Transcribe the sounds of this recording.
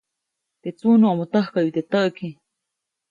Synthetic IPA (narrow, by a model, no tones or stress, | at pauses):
t̪et͡sunuamot̪əhkaʔjit̪et̪əʔkʰi